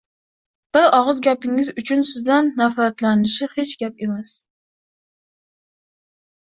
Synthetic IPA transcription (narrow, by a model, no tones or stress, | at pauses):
b̥ɪɾɒʁɨzɡʲapɪŋɪzʊt͡ʃʰʊnsɪzd̪anːafat̪lanɪʃɪhe̞t͡ʃɡʲap̚e̞mas